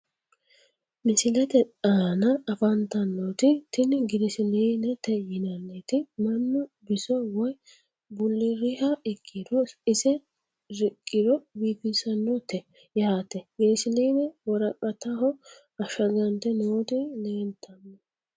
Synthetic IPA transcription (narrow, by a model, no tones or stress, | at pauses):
mɪsɪlɛt̪ɛaːnɐɐfɐnt̪ɐnːɔt̪ɪt̪ɪnɪɡɪɾɪsɪliːnɛt̪ɛjɪnɐnːet̪ɪmɐnːɔbɪsɔwɔj | bʊlːɪɾɪhɐɪkʼːɪd̪ɔɪsɛ | ɾɪkʼːɪd̪ɔbiːpɪsɐnːɔt̪ɛ | jaːt̪ɛɡɪɾɪsɪliːnɛwɔɾɐkʼːɐt̪ɐɦɔ | ɐʃɐɡɐnt̪ɛnoːt̪ɪleːnt̪ʰːɐnːɔ